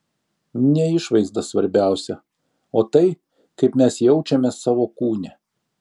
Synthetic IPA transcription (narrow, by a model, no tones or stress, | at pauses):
nʲɛɪʃʋɐɪzd̪ɐsʋɐɾʲbʲæˑʊsʲɛ | oːt̪ɐɪ | kɐɪpmʲɛsjɛʊt͡ʃʲɛmʲɛsɑːʋoːkuːnʲɛ